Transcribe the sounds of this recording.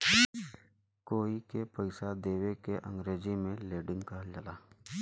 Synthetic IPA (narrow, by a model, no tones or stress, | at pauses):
koːikepəɪsad̪eːwekeʔə̰̃ŋɡɾeːd͡ʒimẽleːɖɪ̃ŋɡkəɦld͡ʒəlaː